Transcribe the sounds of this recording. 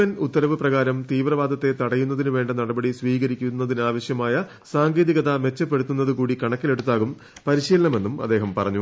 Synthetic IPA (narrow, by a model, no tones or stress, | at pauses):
ɐnut̪ːɐɾɐʋɨprɐɣaːɾɐmt̪iːʋrɐʋaːd̪ɐt̪ːe̞t̪ɐɽɐjunːɐðinuʋe̞ːɳɖɐnɐɽɐbɐɽisʋiːɣɐɾikʲːunːɐðinaːʋɐɕjɐmaːjɐ | saːŋɡeːðiɣɐðɐme̞t͡ɕːɐpːeɽut̪ːunːɐðɨkuːɽikɐɳɐkːileɽut̪ːaːɣum | pɐɾiɕiːlɐɳɐme̞nːumɐd̪ːeːɦɐmpɐrɐɲːu